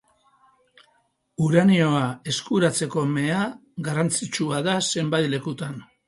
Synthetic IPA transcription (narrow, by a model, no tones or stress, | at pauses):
uɾanio̞ae̞skuɾat͡se̞ko̞me̞aɡarant͡sit͡ʃuaðase̞mbajt̪le̞kut̪an